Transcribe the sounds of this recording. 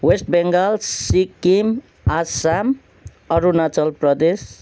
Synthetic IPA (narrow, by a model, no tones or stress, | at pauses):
wesʈbeŋɡʌlsikim | asam | ʌɾunat͡sʌlprʌd̪es